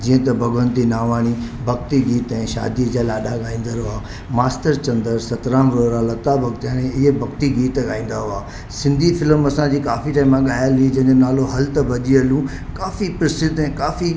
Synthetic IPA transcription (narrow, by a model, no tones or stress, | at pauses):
d͡ʑiːə̃t̪ɐbʱɐɡʋə̃nt̪inaːʋaːɽ̃ibʱɐɡt̪iɡiːt̪ɛ̃ːʃa̰ːd̪iəd͡ʑaːlaːɗaɠaːĩːn̆d̪əɾɦʊaː | maːsʈəɾt͡ɕɐ̃nd̪əɾsɐt̪ɾaːnɾoːɾalɐt̪abʱɐɡ̚t̪aːɽ̃ẽɪɦebʱɐɡt̪iɡiːt̪ɡaːĩːn̆d̪aɦʊaː | sɪ̃nd̪ʱifɪlmɐsãd͡ʑiːkaːfiʈaːimãɠaːjəlid͡ʑɐ̃ɦɪ̃ɲd͡ʑonaːloɦɐlt̪ɐbʱɐʄiɐlũ | kaːfipɾɪsɪt̪ɛ̃ːkaːfi